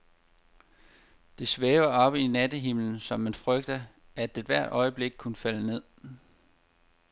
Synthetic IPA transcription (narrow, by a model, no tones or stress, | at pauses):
d̥e̝sʋeːʊɐɒ̽b̥əinæd̥əɦimln̩sɒ̽mːænfʁœɡ̥̚d̥ɐ | æd̥ed̥ʋæɐ̰d̥ɒ̽ɪəb̥le̝ɡ̥̚kʰunəfæləne̝ð̞̰ˠ